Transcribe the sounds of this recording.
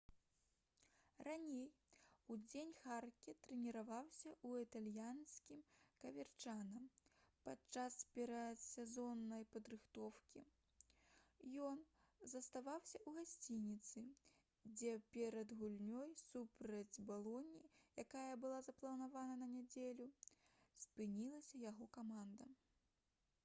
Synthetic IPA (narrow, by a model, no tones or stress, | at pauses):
ranʲej | ud͡zʲenʲxarkʲit̪ɾɛnʲiɾavawsʲɐuit̪alʲjanskʲimkɐvʲɛrt͡ʂanɐmpat͡ʂaspʲɛɾɐt̪sʲɛzɔnːɐjpɐd̪ɾɨxt̪ɔwkʲi | jɔnzɐst̪avawsʲɐʔuɣasʲt͡sʲinʲit̪sɨ | d͡zʲɛpʲɛɾɐd̪ɣulʲnʲɔjsupɾɐd͡zʲbalˠɔnʲijakajɐbɨlˠazɐplˠɐnavanɐnɐnʲad͡zʲelʲuspɨnʲilˠɐsʲɐjaɣɔkamand̪ɐ